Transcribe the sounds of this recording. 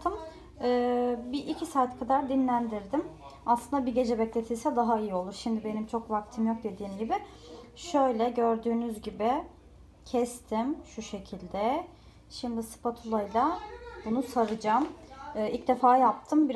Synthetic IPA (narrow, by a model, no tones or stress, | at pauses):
t̪ʰɯm | ɯːbiʔicʰisaːt̪ʰkʰad̪aɾd̪inlʲænd̪iɾd̪imaslˠɯnd̪abiɟe̞d͡ʒɛbɛclʲe̞t̪ʰilʲsɛd̪aɦaijio̞lˠuɾʃimd̪ɪbe̞nimt͡ʃʰo̞kvak̚t̪ʰɯmjo̞k̚d̪e̞d̪iːmɟibɪʃø̞jlʲɛɟøɾd̪yːnyzɟibɪ | cʰɛst̪ʰimʃuʃe̞cʰilʲd̪ɛ | ʃimd̪isɯ̥pat̪ʰulˠajlˠabunusaɾɯd͡ʒamɯilc̚d̪e̞faːjap̚t̪ʰɯmbiɾ